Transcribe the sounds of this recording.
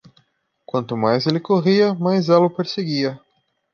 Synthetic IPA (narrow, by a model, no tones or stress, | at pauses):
kwɐ̃nt̪ʊmajzelɪkoʁiɐmajzɛlɐʊpeɾseɡiɐ